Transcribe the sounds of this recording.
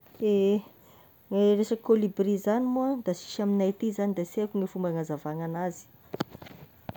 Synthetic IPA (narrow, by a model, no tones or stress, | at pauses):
e | ŋeresakolibrizanimuad̪asi̥ʃaminajt̪izanid̪aseakuŋefumbaŋazavaŋanazi̥